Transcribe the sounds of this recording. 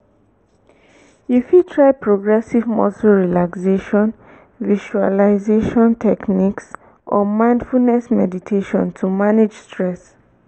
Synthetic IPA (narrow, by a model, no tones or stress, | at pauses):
jufutʰɹaɪpɹoɡɹɛsivmɔ̰suɹilakseʃɔ̃n | viʃualaɪzeʃɔ̃ntʰɛkniks | ʔɔmãɪ̃ndfulnɛsmɛditʰeʃɔ̰̃ntʰumaned͡ʒstɹɛs